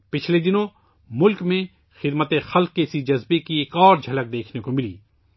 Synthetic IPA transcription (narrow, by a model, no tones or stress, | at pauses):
pɪt͡ʃʰled̪ɪnõ | mʊlkmẽ | xɪd̪mət̪exɐlq̚kesid͡ʒɐzbekieːkɔːɾd͡ʒʱɐlək̚d̪eːkʰnekomɪlḭː